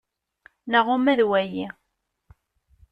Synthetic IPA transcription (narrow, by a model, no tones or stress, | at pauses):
nəʁʊmæðwæji